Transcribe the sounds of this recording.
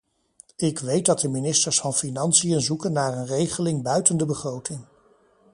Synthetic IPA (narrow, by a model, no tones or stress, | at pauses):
ɪkʋejt̚dɑt̚dəminɪstəɹsfɑnfinɑnsijənzukənːaːɹənrejχəlɪŋbœɥtəndəbəχrowtɪŋ